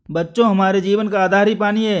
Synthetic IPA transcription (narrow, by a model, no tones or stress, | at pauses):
bɐtːʃõɦɐmaːɾed͡ʒiːʋənkaːd̪ʱaːɾipaːniɦɛː